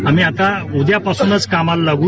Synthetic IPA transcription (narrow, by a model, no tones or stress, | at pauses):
amiːat̪aud̪japasuːnət͡skamallaɡuː